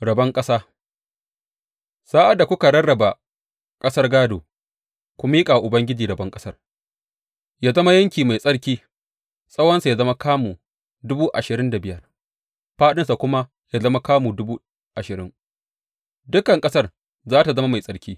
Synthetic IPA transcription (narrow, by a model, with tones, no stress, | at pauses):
ɽɐ˨bɐ˦ŋkʼɐ˦saː˦ | saː˦ʔa˦da˨kʷʊ˦ka˨ɽɐ˦ɽɐ˨ba˨ | kʼɐ˦sɐ˦rɡaː˦doː˨ | kʷʊ˦miː˦kʼa˨ʔʊ˨bɐ˦ŋɡʲɪ˦d͡ʒiː˨ɾɐ˨bɐ˦ŋkʼɐ˦sɐ˦r | jaː˦zɐ˦ma˦jɐ˦ŋkʲiː˨ma˨jsʼɐ˦ɽkʲiː˦ | sʼɐ˦wɐ˦nsa˨jaː˦zɐ˦ma˦kaː˦muː˨ | dʊ˦buː˦ʔa˨ʃɪ˨ɾɪ˦nda˨bɪ˦˨jɐ˦r | ɸaː˦ɗɪ˦nsa˨kʷʊ˦ma˦ | jaː˦zɐ˦ma˦kaː˦muː˨dʊ˦buː˦ | ʔa˨ʃɪ˨ɾɪ˦ŋ | dʊ˦kɐ˨ŋkʼɐ˦sɐ˦˨r | zaː˦ta˨zɐ˦ma˦ma˨jsʼɐ˦ɽkʲiː˦